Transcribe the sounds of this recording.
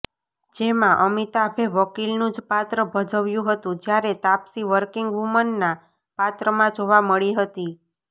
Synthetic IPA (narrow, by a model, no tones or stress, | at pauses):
d͡ʒemãʔəmit̪abʱeʋəkilnũd͡ʒpat̪ɾəbʱəd͡ʒəʋjũɦət̪ũd͡ʒjaɾet̪apsiʋəɾkiŋɡʋumənːa | pat̪ɾəmãd͡ʒoʋaməɭiɦət̪i